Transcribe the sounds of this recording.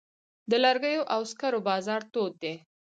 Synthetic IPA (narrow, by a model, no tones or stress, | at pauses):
d̪əlaɾɡəjoʔawskaɾobɑzɑɾt̪od̪̚d̪e